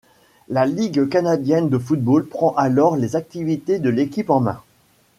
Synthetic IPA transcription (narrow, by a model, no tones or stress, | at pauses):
laliɡkanad̪jɛnd̪əfut̪̚bolpχɑ̃ʔalɔʁlezak̚t̪ivit̪ed̪əlekʲipɑ̃mɛ̰̃